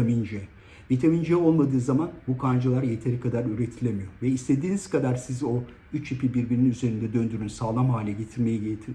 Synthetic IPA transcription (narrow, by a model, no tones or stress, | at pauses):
emind͡ʒɛ | bet̪ʰemind͡ʒɛo̞lˠmad̪ɯːzamanbukʰand͡ʒalˠaɾje̞t̪ʰe̞ɾikʰad̪aɾyɾe̞t̪ʰilʲemijo̞ɾvɛist̪ʰe̞d̪iːniz̥kad̪aɾsizo̞ | yt͡ʃipʰibiɾbininyze̞ɾind̪ɛd̪ø̞nd̪yɾynsaːlˠamhaːlʲɛɟe̞t̪ʰiɾme̞jɛɟet̪ʰ